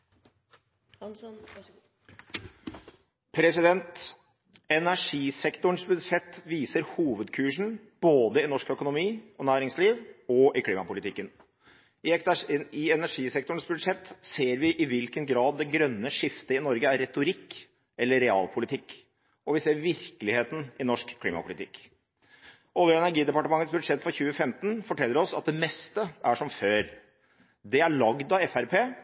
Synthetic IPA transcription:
pʰɾɛsɪd̪ɛnt̪ | ɛnæʂiːsɛkt̪ʊɳ̩sbʉd̪ʂɛt̪ːʋiːsəɾhuːʋəd̪kʰʉːʂɳ̩ | b̥oːd̪əɪnɔʂkœkʊnʊmiːɔnæːɾɪŋsliːʋɔʔɪkʰliːmɑpʊlɪt̪ʰɪkːən | ɪɛɪɛnæʂiːsɛk̚t̪ʊɳ̩sbʉd̪ʂɛt̪ːseːɾʋɪʔɪʋɪlkənɡɾɑːd̪ːɛɡɾœnːəʂɪft̪əɪnɔɾɡəæɾːɛt̪ʊɾɪkː | ɛlːəɾɛɑ̰ːlpʰʊlɪt̪ʰɪkː | ɔʋɪseːɾʋɪɾkəlɪheːt̪n̩ɪnɔʂkʰːliːmɑ̰pʰʊlɪt̪ɪkː | ʔɔljəɛnæɾɡiːd̪ɛpɑʈəmɑŋːət̪sbʉd̪ʂɛt̪ːfɾɔçʉːəfɛmt̪n̩fɔʈʰɛlːəɾɔsɑ̰t̪̚d̪ɛmɛst̪əʔæʂɔmføːɾ | d̪ɛæɭɑɡd̪ɑɛfæɾpʰeː

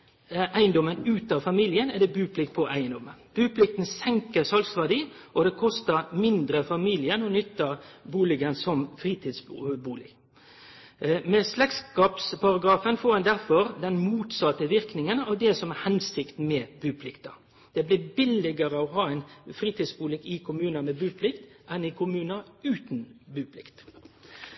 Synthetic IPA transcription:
ʔæɪnd̪ɔmːənʉːt̪ɑfɑmiːlɪənɛd̪ɛbʉːpʰlɪk̚t̪̚pʰɔʔæɪənd̪ɔmənb̥ʉːpʰlɪk̚t̪n̩sɛŋkəɾsɑlsʋæʁd̪iːʔɔd̪ɛkʰɔst̪əɾmɪnd̪ɾəfɑmiljənɔnʏt̪ːɑbuːlɪɡənsɔmfɾiːt̪ʰid̪sbuːlɪɡ | mɛslɛkskɑːpspʰɑʁɑɡɾɑːfənfoːɾhɛnd̪æɾfɔɾd̪ɛnmuːt̪sɑt̪ːəʋɪʁknɪŋənɑːʋd̪ɛsɔmɛhɛnsɪkt̪n̩mɛbʉːpʰlɪkt̪ɑ̰ | d̪̥ɛblɪːbɪlɪɡəɾəɔɦɑːæɪnfʁiːt̪iːd̪sbuːlɪɡɪkʰʊmʉːnɑmɛbʉːpʰlɪkt̪ʔɛnɪkʰʊmʉːnɑʉːt̪nbʉːpʰlɪkt̪

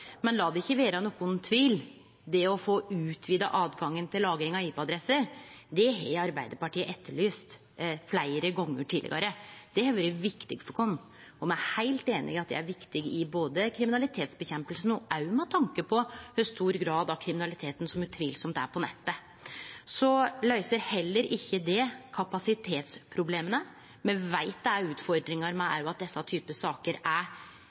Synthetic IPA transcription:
mɛnlɑːd̪ɛɪçːəʋeːɾənɔkːʊnt̪ʰʋiːl | d̪ɛɔfoːʉːt̪ʰʋiːd̪ɑ̰ʔɑːd̪ɡɑŋːənt̪ʰɪlːɑːɡɾɪŋɑiːpɛɑd̪ɾɛsːəɾd̪ɛɦɛɪɑɾbæɪd̪əɾpɑʈʰiːəʔɛt̪ʰːəɭyːst̪ | flæɪɾəɡɔŋːə̰ʈʰɪːlə̰ɡɑ̰ɾəd̪̥ɛhɛʋɾəʋɪkt̪ɪɡfɔkʰɔnː | ɔmæhæɪlt̪eːnʔɪ̰ɪɑt̪̚d̪ɛ̰æɾʋɪkt̪ɪɡɪboːd̪əkʰɾɪmɪnɑlɪt̪ʰeːt̪sbɛçɛmpəlsn̩ɔʔæɾjʊmɛt̪ʰɑŋkəpʰɔhœst̪uːɾɡɾɑːd̪ɑkʰɾɪmɪnɑlɪt̪ʰeːt̪n̩sɔmjʉt̪ʰʋiːlsɔmt̪æ̰pʰɔnɛt̪ːə | sɔlœʏsəɾhɛlːəɾɪçːəd̪ɛkʰɑpɑsɪt̪ʰeːt̪spʰɾʊbleːmənə | mɛʋæɪt̪ːæʉːt̪fɔɾɖ̪ɾɪŋɑɾmɛæ̰ɾjʊɑt̪̚d̪ɛsːɑt̪ʰyːpəsɑːkəɾæ

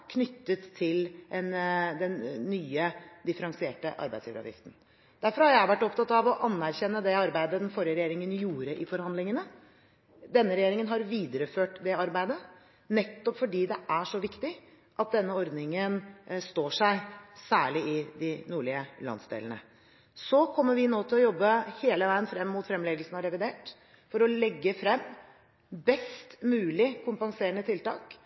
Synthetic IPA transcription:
kʰnʏt̪ːət̪ʰːɪlʔɛnd̪ɛnːyːəd̪ɪfəɾɑŋsɪeːʈə̰ʔɑ̰ɾbæ̰ɪsliːʋɾɑ̰ʋ̪ɪ̰ft̪n̩ | d̪̥æɾfɔɾhɑɾjæɪʋæʈːɔp̚t̪ʰɑt̪ːɑʋɔʔɑnːæɾçɛnːəd̪ɛɑɾbæɪd̪əd̪ɛnfɔɾjəɾɛjeːɾɪŋənjuːɾəʔɪfɔɾhɑnd̪lɪŋənə | d̪ɛnːəɾɛjeːɾɪŋənɦɑɾʋiːd̪əɾəføːʈd̪ɛɑɾbæɪd̪ə | nɛt̪ːɔpfɔɖiːd̪ɛʔæʂɔʋɪkt̪ɪ | ʔɑt̪̚d̪ɛnːəɔɾd̪nɪŋənst̪oːʂæɪsæːɭɪɪd̪ɪnuːɭɪəlɑ̰nsd̪ḛːləɳə̰ | sɔkʰɔmːəɾʋɪnoːt̪ʰɪlɔjɔbːəheːləʋæɪənfɾɛmːuːt̪fɾɛmlɛːɡəlsənɑɾɛʋɪd̪eːʈ | fɔɾɔlɛɡːəfɾɛmː | bɛst̪mʉːlɪkʰʊmpɑŋseːɾəɳət̪ʰɪlt̪ɑ̰ːk

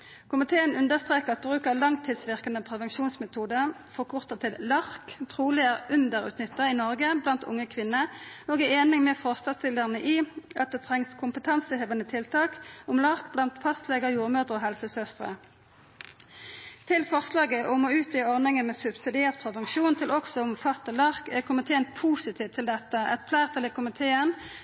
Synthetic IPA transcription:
kʰʊmɪt̪ʰeːənʉnd̪əʁst̪ʁeːkəʁɑt̪̚bʁʉːkəʁlɑŋt̪ʰiːd̪sʋɪʁkənəpʰʁɛʋɛnʃuːnsmɛt̪ʰuːd̪ə | fɔkʰʊʁt̪əʁt̪ʰɪllɑʁkt̪ʰʁuːlɪəʁʉnd̪əʁʉ̰ːt̪nʏt̪ːəʁiːnɔʁɡəblɑnt̪ʰʊ̰ŋːəkʰʋɪnːəoːɡæeːnɪŋmeːfɔʁst̪ɑst̪ɪləʁnəʔiːɑt̪̚d̪eːt̪ʰʁɛŋskʰʊmpət̪ʰɑnsəheːʋənət̪ʰɪlt̪ʰɑːkʊmlɑʁkblɑnt̪fʰɑst̪leːɡəʁjuːʁmœd̪ʁəoːɦɛlsəsœst̪ʁə̰ | t̪ʰɪlfɔʁslɑːɡəʔomoːʉːt̪jɪɔʁnɪŋənmeːsʉbsɪd̪ɪeːʁt̪̚pʰʁɛʋɑŋʃuːnt̪ʰɪlʔɔksɔʊmfɑt̪ːəlɑʁkækʰʊmɪt̪ʰeːənpʰuːsɪt̪ʰiːʋt̪ʰɪld̪ɛt̪ːəʔɛ̰t̪pʰlæːʁt̪ʰəlɛːkʰʊmɪt̪ʰeːən

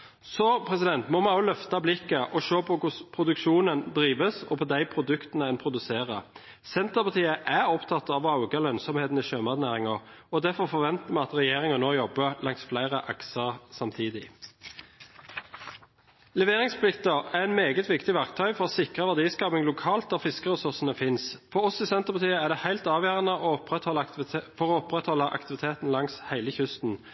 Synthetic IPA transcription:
sɔpʰʁɛsɪd̪ɛnt̪mɔmɛɔʊlœft̪ɑblɪkːəʔɔʃøːpʰɔkʊspʰʁʊd̪ʉkʃuːnənd̪ʁiːʋəsɔ̰pʰɔd̪æɪpʰɾʊd̪ʉkt̪ənəɛnpʰɾʊd̪ʉseːʁə | sɛnt̪əʁpɑt̪ʰiːəʔæʁɔpt̪ʰɑt̪ːɑʋɑʊɡəlœnsɔmheːt̪n̩ɪʃøːmɑd̪næːʁɪŋɔɔd̪æfɔfɔʋɛnt̪əmɛɑt̪ʁɛjeːʁɪŋənoːjɔbəlɑŋsflæɪʁəʔɑksəʁsɑmt̪ʰiːd̪ɪ | lɛʋeːʁɪŋspʰlɪkt̪əæʁɛɪt̪meːɡət̪ʋɪkt̪ɪʋæʁk̚t̪ʰœʏfɔʁoːsɪkʁəʋæʁd̪iːskɑːpɪŋlʊkʰɑːlt̪̚d̪æʁfɪskəʁəsʉʁsənəfɪnsfɔʁɔsɪsɛnt̪əʁpɑt̪ʰiːəæʁd̪ɛhæɪlt̪ɑːʋjæːʁənəʔoɔpʁɛt̪hɔlːəfɔʁɔːɔpʁɛt̪hɔlːəʔɑ̰kt̪ɪʋɪt̪ʰeːt̪n̩lɑŋshæɪləçʉst̪n̩

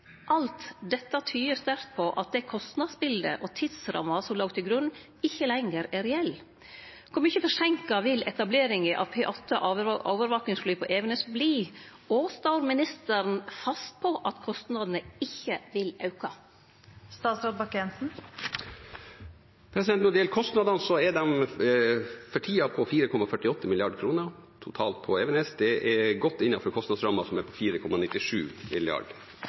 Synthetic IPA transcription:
ʔɑlt̪d̪ɛt̪ːɑt̪ʰyːəst̪æɾt̪̚pʰɔʔɑt̪̚d̪ɛkʰɔst̪nɑd̪sbɪld̪ə̰ʔɔt̪ʰɪd̪sɾɑ̰mːɑsɔmloːɡt̪ʰɪlɡɾʉnː | ɪçːəlɛŋəɾɛɾɛɛlː | kʰʊɾmʏçəfɔʂɛŋkɑʋɪlʔɛt̪ɑbleːɾɪŋəʔɑ̰ʋpʰeːʔɔt̪ʰːəʔʔoːʋəɾʋɑknɪŋsflyːpʰɔʔeːʋnəsbliː | oːst̪ɑʊɾmɪnɪst̪əɾn̩fɑst̪̚pʰɔʔɑt̪kʰɔst̪nɑd̪ənəɪçːəʋɪlɑʉkɑ | st̪ɑːt̪sɾɑːd̪̚bɑkɛnsn̩ | pʰɾɛsɪd̪ɛnt̪nɔd̪jɛlkʰɔst̪nɑd̪ɑnsɔɛɖɛm | fɔʈʰiːɑpʰɔfiːɾəkʰɔmɑfœʈɪɔt̪ːəmɪlɪɑɖkʰɾuːnəɾt̪ʰʊt̪ʰɑːlt̪̚pʰɔɛʋɛnɛsd̪ɛʔɛɡɔt̪ːɪnːɑfɔɾkʰɔst̪ɑd̪sɾɑmɑsɔmɛɾpʰɔfiːɾəkʰɔmɑnɪt̪ːɪʂʉ̰ːmɪ̰lɪɑ̰ɖ

